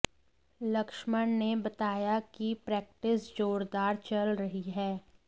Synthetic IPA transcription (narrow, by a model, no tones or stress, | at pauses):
lɐkʃməɳnebɐt̪aːjakipɾɛːk̚ʈɪsd͡ʒoːɾd̪aːɾt͡ʃɐlɾɐɦiɦɛː